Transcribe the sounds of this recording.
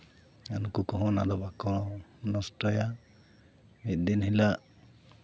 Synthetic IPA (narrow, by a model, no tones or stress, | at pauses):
anukukɔɦɔ̃na̰d̪ɔbakɔɽ̃ɔnɔsʈɔja | ɛt̪̚ˀd̪inhilaʔ